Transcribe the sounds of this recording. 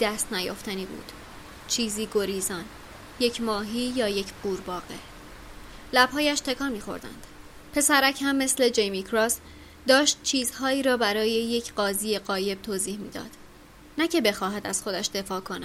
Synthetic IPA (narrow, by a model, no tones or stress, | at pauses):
d̪æst̪næjo̰ft̪æniːbṵːd̪̥ | t͡ʃʰiːziːɡo̞ɾiːzɒn | je̞cʰmɒːɦiːjɒːje̞cʰɢ̥uːɾbɒːɣe̞ | læb̥ɦɒːjæʃt̪ʰe̞kʰɒːnmiːxo̞̰ɾd̪æ̰nd̪̥ | pʰe̞sæɾæchæmːe̞sle̞d͡ʒe̞jmikʰɾɒːs | d̪ɒːʃt̪̚t͡ʃʰiːzhɒːiːɾɒːbæɾɒːje̞je̞cʰɢɒːziːje̞ɢɒːje̞b̥̚t̪ʰoːziːhmḭːd̪ɒ̰ːd̪̥ | næcʰe̞be̞xɒːɦæd̪æz̥xo̞d̪æʃd̪e̞fɒːkʰo̞næ̥